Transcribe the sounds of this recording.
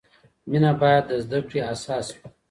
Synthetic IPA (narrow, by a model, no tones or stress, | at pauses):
minabɑjad̪ːəzd̪akɽiasɑːswi